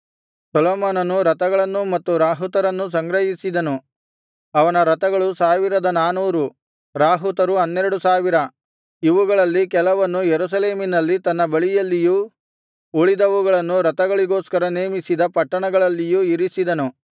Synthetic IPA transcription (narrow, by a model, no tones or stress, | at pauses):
sɐlɐːmaːnɐnːuɾɐt̪ɐɡɐɭɐnːumɐt̪ːuɾaːɦut̪ɐɾɐnːus̬ɐŋɡɾɐɦisid̪ɐnu | ɐʋɐnɐɾɐt̪ɐɡɐɭusaːʋiɾɐd̪ɐnaːnuːɾu | ɾaːɦut̪ɐɾuɐnːeɾɐɽusaːʋiɾɐ | iʋuɡɐɭɐlːikɛlɐʋɐnːujeɾus̬ɐle̞ːminɐlːit̪ɐnːɐbɐɭijɐlːijuː | uɭid̪ɐʋuɡɐɭɐnːuɾɐt̪ɐɡɐɭiɡo̞ːskɐɾɐneːmisid̪ɐpɐʈːɐɳɐɡɐɭɐlːijuiɾisid̪ɐnu